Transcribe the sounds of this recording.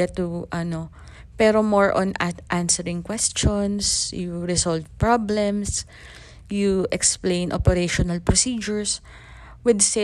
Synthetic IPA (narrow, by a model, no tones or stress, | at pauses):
ɛt̪uʔɐno | pɛɾomoɹʔɔ̃nʔansɛɹɪ̃ŋkwɛst͡ʃɔnsjuɹɪsɔlvpɹɔblɛms | juʔɛksplẽjnʔo̰pɛɾeʃɔnɐlpɹɔsid͡ʒʊɹs | wɪd̪se